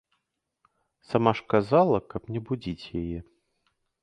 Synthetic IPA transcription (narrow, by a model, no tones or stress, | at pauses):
samaʂkazalˠɐkɐpnʲɛbud͡zʲit͡sʲjajɛ